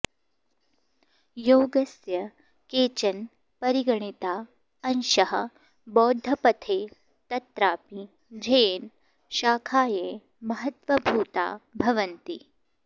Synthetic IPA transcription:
joːɡɐsjɐ | keːt͡ʃɐn | pɐɾiɡɐɳit̪aː | ɐnʃɐɦɐ | bɔːd̪ʱːɐpɐt̪ʰeː | t̪ɐt̪ɾaːpi | d͡ʒʱɐjen | ʃaːkʰaːjeː | mɐɦɐt̪ʋɐbʱuːt̪a̰ːbʱɐʋɐnt̪i

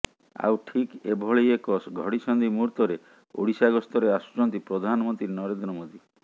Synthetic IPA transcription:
a̰wʈʰikebʱɔɭejekɔsɡʱɔɽisɔnd̪imuɾt̪ɔɾe | o̰ɽisaɡɔst̪ɔɾeasu̥t͡ʃɔnt̪ipɾɔd̪ʱanɔmɔnt̪ɾinɔɾend̪ɾɔmod̪i

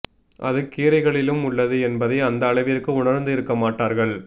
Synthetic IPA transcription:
ʔɐ̰ðɯkiːɾɐɪɣɐɭɪlɯmʊɭːɐðɯɛnbɐðɐɪɐnd̪ɐːɭɐɪʋɪrkɯʊɳɐɾnd̪ɪɾɯkːɐmaːʈːaːɾɣɐɭ

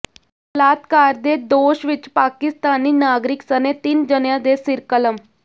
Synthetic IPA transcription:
əlaːt̪kaːɾd̪eːd̪oːʃʋɪt͡ʃpaːkɪst̪aːniːnaːɡɾɪksəneːt̪ɪnd͡ʒənjãːd̪eːsɪɾkələm

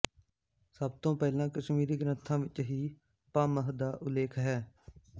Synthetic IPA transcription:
səbt̪õːpɛːlãːkəʃmiːɾiːɡɾənt̪ʰãːʋɪt͡ʃɦiː | paːməɦd̪aːʔʊleːkʰɦɛː

